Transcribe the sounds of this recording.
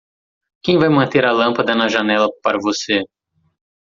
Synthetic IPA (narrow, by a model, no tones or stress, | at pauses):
kẽj̃vajmɐ̃nt̪eɾɐlɐ̃pɐd̪ɐnɐʒɐnɛlɐpaɾɐvose